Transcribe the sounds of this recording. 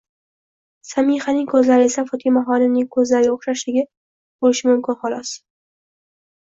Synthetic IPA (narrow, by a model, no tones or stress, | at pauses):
samihanɪŋkʰɵzlaɾɪe̞safɒt̪ʰimaɦɒnɪmnɪŋkʰɵzlaɾɪɡʲaoχʃaʃɪɡʲa | bolɪʃɪmʊmkʲɪnχɒlˠɒs